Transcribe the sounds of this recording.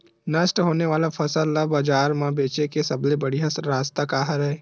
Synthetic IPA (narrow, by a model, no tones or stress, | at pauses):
nɐsʈɦoːneʋaːlafʰɐsəlabɐd͡ʒaːɾmãbeːt͡ʃekesɐblebɐɽiɦɐsɾaːst̪akaːɦəɾɦɛː